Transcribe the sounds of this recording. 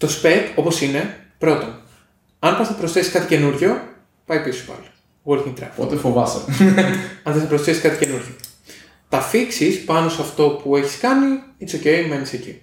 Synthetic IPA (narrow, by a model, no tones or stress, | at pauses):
t̪o̞spepo̞po̞sine̞pɾo̞t̪o̞n | ɐnpɐsθɐpɾosθe̞si̥skɐt̪ice̞nuɾʝo̞ | pɐjipiso̥pɐ̰lo̥ | ɣoɾciŋt̪ɾɐ̰fpo̞̰t̪efo̞vɐsɐ | ɐnθɐsɐpɾosθesi̥skɐt̪i̥ce̞nuɾʝo | t̪ɐfiksispɐno̞sɐft̪o̞pue̞çi̥skɐniisocejme̞niseci